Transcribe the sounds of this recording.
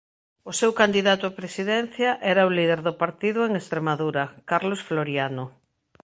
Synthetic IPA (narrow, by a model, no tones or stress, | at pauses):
ʊsewkand̪iðat̪ʊapɾesiðɛn̟θjɐʔɛɾɐʊliðeɾðʊpaɾt̪iðʊeŋest̪ɾemaðuɾɐkaɾlosfloɾjano